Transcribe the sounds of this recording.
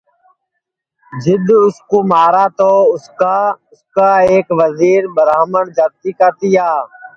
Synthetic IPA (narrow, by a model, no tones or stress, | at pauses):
d͡ʒɪd̪ʊskoːmaːɾaːt̪oːʊskaːʊskaːeːkʋəziːɾbəɾaːməɳd͡ʒaːt̪iːkaːt̪iːɦaː